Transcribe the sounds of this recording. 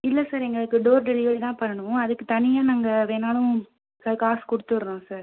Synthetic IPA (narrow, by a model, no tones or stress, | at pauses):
ɪlːɐsaːɾɛŋɡɐɭɯkːɯɖoːɾɖɛlɪjoːɽit̪ãːpɐɾɐɳɯʋõɐðɯkːɯt̪ɐnɪjaːnaːŋɡɐʋeːnaːlʊ̃ | kɐkːaːskɔɽɯt̪ːɯʋɐɾɯnõːsaːɾ